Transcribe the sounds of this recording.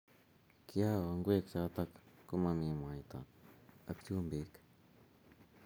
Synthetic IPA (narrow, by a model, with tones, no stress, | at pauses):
kia˦waŋɡʷe˦kt͡ʃa˧t̪a˧kːu˦mã˧mĩ˨mã˨jt̪a̰˨a˧kt͡ʃu˦mbi˨k